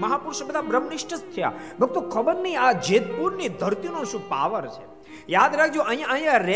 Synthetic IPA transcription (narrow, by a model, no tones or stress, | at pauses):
məɦapuɾʃəbəd̪ʱabɾəmnɪʃʈəst̪ʰəja̰bʱəɡ̚t̪okʰəbəɾniad͡ʒet̪puɾnid̪ʱəɾt̪inoʃũpa̰ʋəɾt͡ʃʰe | jad̪ɾakʰd͡ʒoʔə̃ɦĩjãəɦj̃ãɾe